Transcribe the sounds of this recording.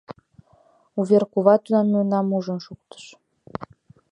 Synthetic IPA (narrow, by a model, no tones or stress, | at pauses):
uβerkuβɑt̪ud̪ɑmuənɑmuʒənʃuk̚t̪ə̥ʃ